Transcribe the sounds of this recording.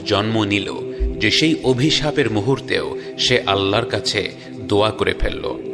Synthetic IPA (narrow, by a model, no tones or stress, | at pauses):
d͡ʑɔnmonilo̰d͡ʑeʃejʔobʱiʃapeɾmuɦuɾt̪eo | ʃeʔalːaɾkat͡ɕʰe | d̪oakoɾḛfʰḛlːo̰